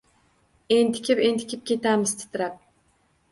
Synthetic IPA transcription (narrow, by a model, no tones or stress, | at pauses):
ent̪ʰɪ̥kʲʰɪpent̪ʰɪ̥kʲɪp̚kʲʰet̪amɪzt̪ʰɪ̥t̪ʰɪɾap̚